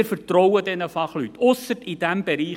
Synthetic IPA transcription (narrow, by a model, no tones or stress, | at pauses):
ɪɾfəɾtrɔwədɛnəfɑχlyt̪ːʊsətid̥æmbɛɾiː